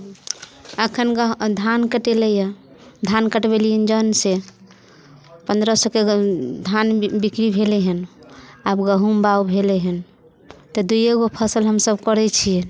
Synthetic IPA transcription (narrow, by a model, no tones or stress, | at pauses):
əkʰənɡd̪ʱankəʈelɛjə | d̪ʱankəʈbeliɦənd͡ʒənse | pənd̪ɾəsəked̪ʱanbikɾibʱelɛɦənabɡəɦumbaubʱelɛɦən | t̪ɔd̪ujeɡopʰəsəlɦəmsəbkəɾɛt͡ʃʰie